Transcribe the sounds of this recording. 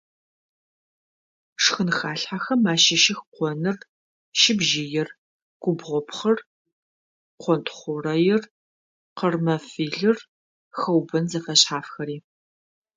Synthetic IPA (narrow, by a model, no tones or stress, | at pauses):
ʂxɨnxaːɬħaxɐmaːʃɐʃɪxqʷɔnɨr | ʃɪbʒɪjɪr | ɡ̥ʷʊbʁʷɔpχɐr | qʷɔntʰχʷʊrɐjɪr | qərmɐfiːɮɨr | xɐwbɐnzɐfɐɕħaːfxɐɾiː